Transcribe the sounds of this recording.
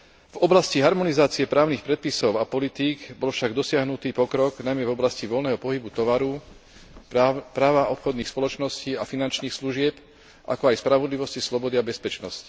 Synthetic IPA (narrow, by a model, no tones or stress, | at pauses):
vɔblasciɦaɾmɔnizaːt͡siɛpɾaːʊnixpɾɛt̪̚pisɔʊapɔlit̪iːɡbɔlfʃaɡd̪ɔsɪaɦnut̪iːpɔkɾɔɡnajmɛvɔblasciʋɔlnɛːɦɔpɔɦibut̪ɔʋaɾu | pɾaːʋaʔɔpxɔd̪niːxspɔlɔt͡ʃnɔsciːafinant͡ʃniːxsluʒɪɛp | ʔa̰kɔajspɾaʋɔd̪liʋɔscislɔbɔd̪iabɛspɛt͡ʃnɔsci̥